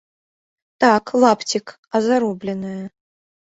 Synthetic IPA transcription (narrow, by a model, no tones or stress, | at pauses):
t̪aklˠapt͡sʲik | ɐzaɾɔblʲɛnɨjɐ